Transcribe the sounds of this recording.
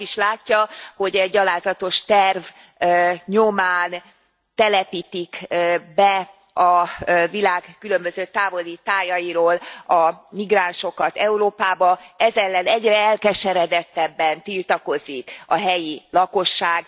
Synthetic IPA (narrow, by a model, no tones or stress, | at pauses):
iʃlaːcːɒho̞ɟɛɟːɒlaːzɒt̪o̞ʃt̪ɛrv | ɲomaːn | t̪ɛlɛpiːt̪ikbɛ | ɒvilaːɡkylø̞mbøzøːt̪aːvo̞lit̪aːjɒjiɾoːlɒmiɡraːnʃo̞kɒt̪ɛuɾoːpaːbɒɛzɛlːɛnɛɟrɛɛlkɛʃɛɾɛd̪ɛt̪ːɛbːɛnt̪ilt̪ɒko̞zikɒɦɛjilɒko̞ʃːaːɡ